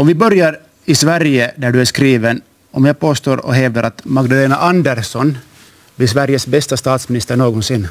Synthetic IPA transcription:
ɔmvɪbœɾjaɾ | ɪsvæɾjəd̪æɖɵæʂkɾiːʋən | ɔmjapoːst̪oːɾɔ̰ɦɛːvd̪əɾʔat̪maɡd̪aleːnaʔɑnd̪æɾsɔn | blɪs̬væɾjəsbɛst̪ast̪ɑːt̪smɪnɪst̪əɳoːɡɔnsɪnː

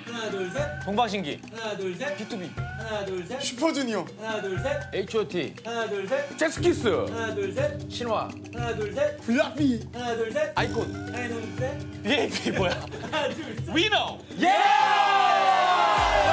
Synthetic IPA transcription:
toŋbakɕ̬ʰiŋɡḭ | jut̪ʰubi | ɕʰipʰod͡ʑunio | eit͡ɕʰːtʰi | t͡ɕʰesɯ̥kʰisɯ | ɕʰinwa̰ | pulːapi | aikʰod | piepʰiboja | wino | je

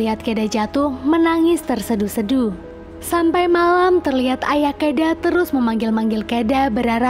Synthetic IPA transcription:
iɦat̪̚kedad͡ʒat̪ʊhmənaŋɪst̪ərsədusədu | sampajmalamt̪ərliɦat̪ajahkedat̪əɾʊsməmaŋɡɪlmaŋɡɪlkedabəɾaɾa

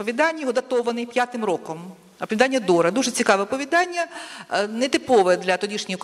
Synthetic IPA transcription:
ɔʋʲid̪ɑnʲːjɦɔd̪ɐt̪ɔʋɐnɪjpʲjat̪ɪmɾɔkɔm | ɐpɔʋʲid̪ɑnʲːɐd̪ɔɾɐd̪uʒɛt͡sʲikɑʋɛɔpɔʋʲid̪ɑnʲːɐnɛt̪ɪpɔʋɛd̪lʲɐt̪ɔdʲiʃnʲɔjʊk

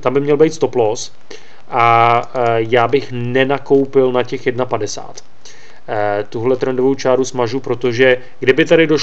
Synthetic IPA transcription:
t̪ambɪmɲɛlbɛjt̪st̪o̞plos | ʔa | jaːbɪxnɛnako̞wpɪlnacɛxjɛdnapadɛsa̰ːt̪ | t̪uɦlɛt̪ɾɛndovowt͡ʃaːɾusmaʒupɾo̞t̪o̞ʒɛ | ɡdɪbɪt̪aɾɪdo

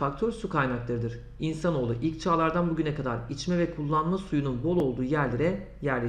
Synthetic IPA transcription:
akt̪ʰøɾsukʰajnaklˠaɾɯd̪ɯɾ̥ | insano̞ːlˠuʔilʲc̚t͡ʃʰaːlˠaɾd̪anbuɟynɛkʰad̪aɾit͡ʃmɛvɛkʰulˠːanmasujununbo̞lˠo̞lˠd̪uːjæɾlʲeɾɛ | jæɾlʲe

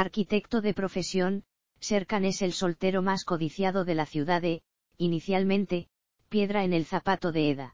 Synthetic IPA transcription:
aɾkit̪e̞kt̪o̞ðe̞pɾo̞fe̞sjo̞n | se̞ɾkane̞se̞lso̞lt̪e̞ɾo̞masko̞ðiθjað̞o̞ðe̞laθjuðaðe̞ | iniθjalmẽnt̪e̞ | pje̞ðɾae̞ne̞lθapat̪o̞ðe̞eða

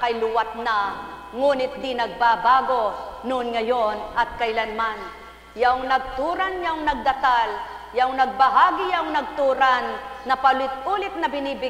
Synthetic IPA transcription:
kɐjlʊwat̪̚na | ŋuːnɪt̪̚d̪inɐɡ̚babaːɡonʊʔnŋɐjonɐt̪̚kɐʔɪlanman | jaŋnɐɡ̚t̪uːɾanjaʊŋnɐɡ̚d̪ɐt̪al | jaʊŋnɐɡ̚bɐɦaːɡijaʊŋnɐɡ̚t̪uːɾanːɐpalɪt̪̚ʔuːlɪt̪̚nɐbɪnibɪ

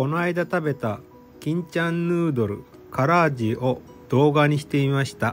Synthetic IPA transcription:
ko̞naid̪at̪abe̞t̪a | kʲĩɲ̟t͡ɕãnːɯːd̪o̞ɾɯ̟̰ | kaɾaːd͡ʑio̞ | d̪̥o̞ːɡaɲ̟iɕi̥t̪e̞imaɕi̥t̪a

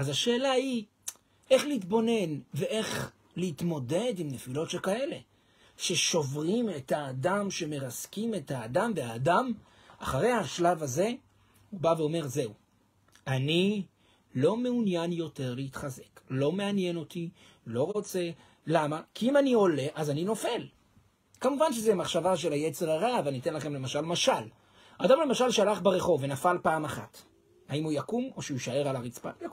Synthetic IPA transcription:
azaʃe̞ːlai | e̞χleitbo̞ne̞nve̞ʔe̞χ | leit̪mo̞de̞dimnefilo̞tʃelkae̞le̞ | ʃe̞ʃo̞vʁime̞thaːdamʃe̞me̞ʁaskime̞thaːdamveaːdam | aχaʁe̞jhaʃlavaze̞ | hubaveo̞me̞ʁze̞u | ani | lo̞meunjanjo̞te̞ʁleitχaze̞̥klo̞me̞anje̞no̞ti | lo̞ʁo̞t͡se̞ | lamakiimanio̞le̞ʔazanino̞fe̞l | kamuvanʃezemaχʃavaʃe̞lajet͡se̞ʁaʁavanitenlaχe̞mle̞maʃalmaʃal | adamle̞maʃalʃalaχbeʁe̞χo̞vːe̞nafalpaːmaχa̰t | haimujakumo̞ʃeuʃae̞ʁalaʁit͡spa̰jk

